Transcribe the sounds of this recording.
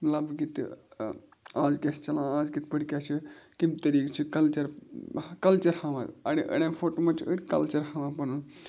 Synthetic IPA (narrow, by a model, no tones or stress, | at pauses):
mɐlabɡit̪ | aːzɡʲest͡ʃɐlãːaːzɡit̪̚bəɽkʲaːt͡ʃʰikimt̪ɐɾiːkt͡ʃʰikɐlt͡ʃɐɾ | kɐlt͡ʃɐɾhaʋãɐ̰ɽiʔə̰ɽẽːfʰoʈomɐt͡ʃə̰ɽʲkɐ̰lt͡ʃɐɾhaʋãːpɐnun